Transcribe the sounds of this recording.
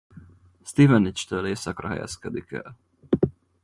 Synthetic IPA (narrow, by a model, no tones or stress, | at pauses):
st̪ivɛnit͡ʃt̪øːleːsɒkrɒɦɛ̰jɛ̰skɛd̪ikɛ̰l